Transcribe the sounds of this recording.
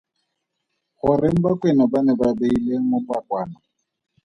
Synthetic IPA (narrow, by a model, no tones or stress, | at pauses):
χʊrɪŋ̩bakwenɔbanɛbabeileŋ̩mʊpwakwaːna